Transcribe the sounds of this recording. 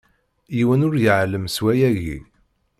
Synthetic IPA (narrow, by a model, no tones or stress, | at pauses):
jiwənʊɾjəʕlːəmswæjæʝḭ